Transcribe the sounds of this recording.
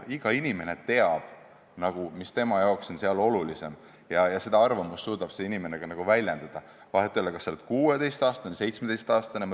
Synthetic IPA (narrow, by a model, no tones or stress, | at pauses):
iɡ̥ɑinime̞ne̞t̪e̞ɑb̥ | nɑɡ̥umist̪e̞mɑjɑokso̞nse̞ɑlo̞lulise̞m | jɑjɑse̞d̪̥ɑɑrvɑmusːuːd̪̥ɑb̥se̞inime̞neɡ̥ɑnɑɡ̥uvælʲjend̪̥ɑd̪̥ɑ | vɑɦet̪ːˑeolːekɑseled̪̥̚kuːe̞d̪e̞jst̪ɑːst̪ɑnese̞jt̪smed̪̥e̞jst̪ɑːst̪ɑnem